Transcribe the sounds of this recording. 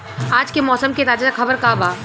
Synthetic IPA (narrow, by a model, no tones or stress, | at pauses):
aːd͡ʒkemɔːsəmket̪aːd͡ʒakʰɐbəɾkaːbaː